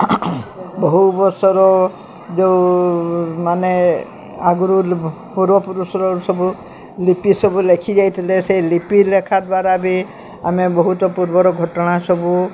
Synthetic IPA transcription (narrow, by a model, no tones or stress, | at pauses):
bɔɦubɔɾsɔɾɔ | d͡ʒeu | mane | aɡuɾu | puɾbɔpuɾusɔɾɔsɔbu | lipisɔbulekʰid͡ʒajt̪ʰileselipilekʰad̪waɾabi | amebɔɦut̪ɔpuɾbɔɾɔɡʱɔʈɔɽ̃asɔbu